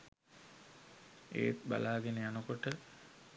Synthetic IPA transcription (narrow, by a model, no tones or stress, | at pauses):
ḛːt̪ba̰laːɡenejanəkoʈə